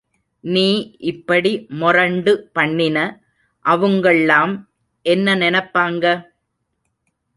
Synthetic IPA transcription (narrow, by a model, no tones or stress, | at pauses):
niːʔɪpːɐɽimʊrɐɳɖɯpɐɳːɪnɐ | ʔɐʋɯŋɡɐɭɪlaːm | ʔɛnːɐnɪnɐpːaːŋɡɐ